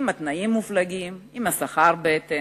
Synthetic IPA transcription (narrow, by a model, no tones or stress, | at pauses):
mat̪naimːuflaɡim | imasaχaʁbeet̪e